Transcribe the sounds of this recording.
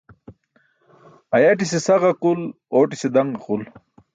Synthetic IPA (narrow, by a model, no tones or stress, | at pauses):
ɐjaʈ̬isesɐʁɐqul | oːʈised̪ɐŋɡɐqul